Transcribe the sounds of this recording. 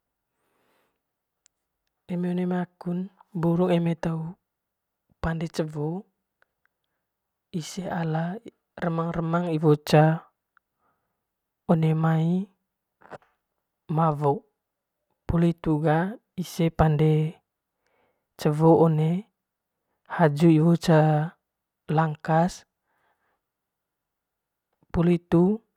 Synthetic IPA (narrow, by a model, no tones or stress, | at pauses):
emeonemakunbuɾuŋemet̪au | pandet͡ʃəvo | iseala | rəmaŋrəmaŋivot͡ʃa | onemai | mavɔ | pulit̪uɡa | isepande | t͡ʃəvɔone | had͡ʒuivot͡ʃa | laŋkas | pulit̪u